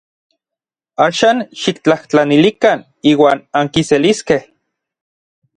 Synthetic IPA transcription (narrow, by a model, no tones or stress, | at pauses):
aːʃaːnʃik̚t͡ɬaht͡ɬanilikan | iːwaːnaŋkiseliskeh